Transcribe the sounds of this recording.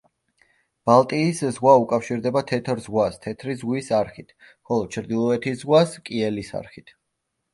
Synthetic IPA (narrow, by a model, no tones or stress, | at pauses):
b̥alˠt̪ʼiːszʁwaukʼafʃiɾd̪ɛbat̪ʰɛt̪ʰɾzʁwast̪ʰɛt̪ʰɾizʁwisaɾχit̪ʰ | χɔlˠɔd̪̚t͡ʃʰɾd̪ilˠɔɛt̪ʰizʁwaskʼiɛlisa̰ɾχit̪ʰ